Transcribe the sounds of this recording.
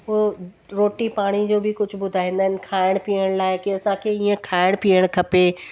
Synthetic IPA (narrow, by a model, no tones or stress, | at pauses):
ɦo | ɾoːʈipaːɽ̃id͡ʑoːbɪkʊd͡ʑʱʊ̆bʊd̪ʱaːɦɪẽːnd̪əɦɪnɪ̆kʰaːɪɽ̃piːəɽ̃laːɪkiɐsãkʰeiːẽkʰaːɪɽ̃piːəɽ̃kʰɐpe